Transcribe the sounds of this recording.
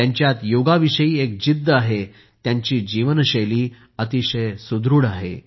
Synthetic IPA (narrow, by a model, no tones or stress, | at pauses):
jaɲt͡ɕjat̪joɡaʋiʂəjiːek̚d͡ʑid̪ʱːəaɦe | t̪jaɲt͡ɕiːd͡ʑiʋənɕəjliː | ət̪iɕəjsud̪ɾuːɽaɦḛ